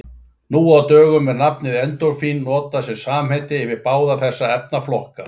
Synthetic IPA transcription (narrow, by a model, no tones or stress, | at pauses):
nuːawt̪œːɣʏmɛɾnapnɪðɛnt̪ɔwɾ̥finːɔːt̪asɛmsaːmhejt̪ɪːvɪɾpaːwðaθɛsːaɛp̚naflɔhka